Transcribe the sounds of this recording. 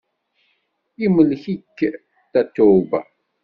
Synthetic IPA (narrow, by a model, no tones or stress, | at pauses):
iməlːçikː | t̪æt̪ːʊbæ̰